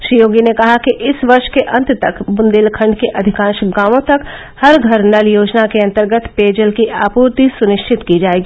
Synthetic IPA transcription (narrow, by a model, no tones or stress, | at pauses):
ʃɾijoːɡinekɐɦakiʔɪsʋɐɾʃkeʔɐ̃nt̪t̪ɐkbʊ̃nd̪eːlkʰɐ̃ɳɖkeʔɐd̪ʱɪkãːʃɡaːʋõt̪ɐk | hɐɾɡʱɐɾnɐljoːd͡ʒnakeɐ̃nt̪əɾɡət̪peːd͡ʒəlkiʔaːpuːɾt̪isʊnɪʃt͡ʃʰɪt̪kid͡ʒaːeːɡiː